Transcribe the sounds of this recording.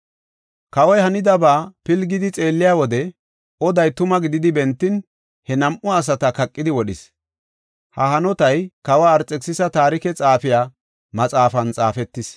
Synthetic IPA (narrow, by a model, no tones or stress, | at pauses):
kɐwɔjhɐnɪd̪ɐbaːpɪlɡɪd̪ɪt͡sʼe̞ːlːɪjaːwɔd̪ɛ | ɔd̪ɐjt̪ʊmɐɡɪd̪ɪd̪ɪbɛnt̪ːɪn | hɛnɐmʔʊɐs̬ɐt̪ɐkɐkʼːɪd̪ɪwɔɗɪs | hɐhɐnɔt̪ɐjkɐwaːɾt͡sʼːɛksɪsɐt̪aːɾɪkɛt͡sʼaːfɪjaː | mɐt͡sʼaːfɐnt͡sʼaːfɛt̪ːɪs